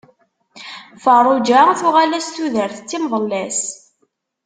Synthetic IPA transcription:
fəɾˤud͡ʒæθuʁalæst̪uðəɾθət͡sːimðˤəlːæs

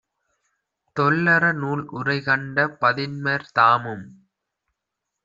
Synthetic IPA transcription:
t̪ɔlːɐɾɐnuːlʔʊrɐɪkɐɳɖɐpɐðɪnmɐɾt̪aːmɯm

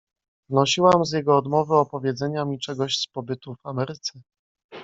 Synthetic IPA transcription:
znɔɕiwamzjɛɡɔːd̪mɔvɘɔpɔvʲjɛd̪zɛɲamʲit͡ʂɛɡɔɕspɔbɘt̪ufamɛɾɘt̪sɛ

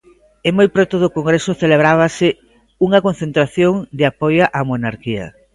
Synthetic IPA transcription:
emojpɾot̪ʊðʊkoŋɡɾesʊθeleβ̞ɾaβ̞asɪ | uŋɐkon̟θent̪ɾaθjoŋd̪ɪapojaʔamonaɾkiɐ̰

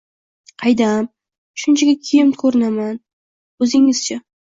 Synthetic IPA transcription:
qʰɑjd̪am | ʃʊnt͡ʃʰaɡʲakʲʰeɪmkʰɵɾɪnaman | ɵzɪŋɪz̥t͡ʃʰa

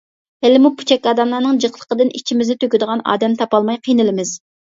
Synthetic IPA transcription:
ɛlɪmupʰu̥t͡ʃʰɛkʲːɑːd̪ɑnlˠɑnɨŋd͡ʒəqlˠə̥qəd̪ɨnit͡ʃʰimɪznɪt̪ʰøkʲyd̪əʁɑnɑ̰ːd̪ɛmt̪ʰɑpɑlˠmɑjqʰijnɨlɪmɪz̥

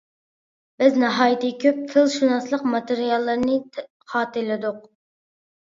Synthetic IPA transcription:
b̥ɪznɑɦɑːjt̪ʰɨkʲʰøp̚t̪ʰɨlˠʃunɑslˠəqmɑt̪eɾijɑlˠːəɾnɨ | χɑːt̪ɨlɪd̪ʊq

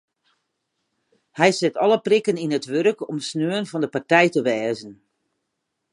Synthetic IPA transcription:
hɛjsɪtɔləprɪkəninətʋørkɔmsnøənvɑndəpartɛjtəʋɛːzən

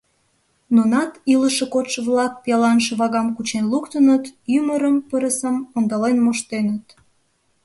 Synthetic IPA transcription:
nonɑt̪iləʃekot̪ʃəβlɑk̚pijɑlɑnʃəβɑɣɑmkut͡ɕenlukt̪ənət̪yməɾəmpəɾəsəmond̪ɑlenmoʃt̪enət̪

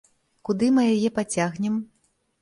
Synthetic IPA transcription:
kud̪ɨmɨjajɛpat͡sʲaɣnʲɛm

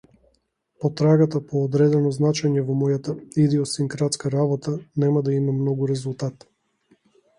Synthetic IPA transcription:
pɔt̪ɾaɡat̪apɔːd̪ɾɛd̪ɛnɔznat͡ʃɛɲɛvɔmɔjat̪aid̪iɔsiŋkɾat̪skaɾabɔt̪anɛmad̪aimamnɔɡuɾɛzulˠt̪at̪

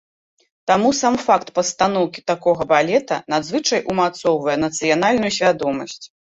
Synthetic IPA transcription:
t̪amusamfakt̪pɐst̪an̪ɔwkʲi̥t̪akɔɣɐbalʲɛt̪ɐ̰nad̪zvɨt͡ʂɐjʔumat̪sɔwvɐjɛnɐt̪sɨjanalʲnujusʲvʲad̪ɔmɐsʲt͡sʲ

